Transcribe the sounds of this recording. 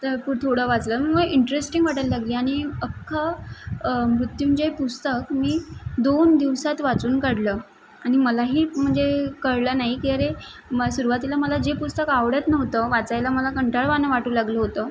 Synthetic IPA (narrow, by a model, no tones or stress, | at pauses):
t̪əɾput̪ʰoɽəʋat͡sləːm̤əɡməɡiɳʈɾesʈiŋɡʋaʈəlːaɡliːaɽ̃iəkʰːə | mɾut̪jud͡ʑepust̪əkmiːd̪ond̪iʋsat̪ʋat͡suːnkəɽləː | aɽ̃iməlaɦiːm̤əɳd͡zekəɾlənaɦikiaɾeəsuɾuʋat̪ilaməlad͡ʑepust̪əkaʋɽət̪nəʋt̪əʋat͡sajlaməlakəɳʈaɭʋanəʋaʈuːlaɡləɦot̪əː